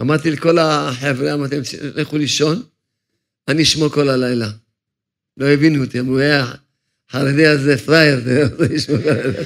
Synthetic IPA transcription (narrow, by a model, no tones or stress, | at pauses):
ʔa̰maʁt̪ileko̞laħevɾeamat̪emʃleχuliʃo̞n | aniʃmoko̞lalajla | lo̞evinut̪emue | ħaɾediazefʁajeʁt̪eemazeiʃmokolala